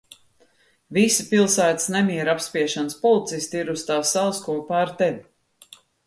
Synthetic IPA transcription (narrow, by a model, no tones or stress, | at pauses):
visipilˠsæːt̪i̥snɛmʲiɛɾapsʲpiɛʃanspɔlˠit̪sist̪iɾust̪aːsːalˠskuɔpaːɾt̪ɛlʲ